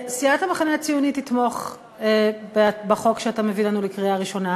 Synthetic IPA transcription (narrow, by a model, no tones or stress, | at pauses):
siathameχaneat͡sijunit̪it̪mo̞χ | ebebaχo̞kʃeatamevilanulekʁiaʁiʃo̞na